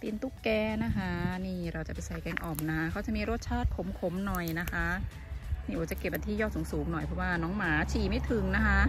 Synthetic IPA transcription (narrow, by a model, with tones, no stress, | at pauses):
p̪i˧nt̪u˥˩kkɛː˧na˦˥kʰa˦˥niː˧˥˩ɾa˧wt͡ɕa˨˩pa˧jsa˧jkɛː˧ŋʔɔː˨˩mna˦˥kʰa˦˥kʰaː˧˥˩t͡ɕa˨˩ʔmiː˧ɾo˥˩t̪̚t͡ɕʰaː˥˩t̪̚kʰo˨˩˦mkʰo˨˩˦mnɔ˨˩jna˦˥kʰa˦˥ | niː˥˩ʔoː˨˧˩t͡ɕa˨˩ke˨˩p̚ba˧nt̪ʰiː˥˩jɔː˥˩t̪suː˩˦ŋsuː˩˦ŋnɔ˨˩jpʰɾɔ˧˥waː˥˩nɔː˦˥ŋmaː˩˦t͡ɕʰiː˨˩ma˥˩jt̪ʰɯ˨˩˦ŋna˦˥kʰa˦˥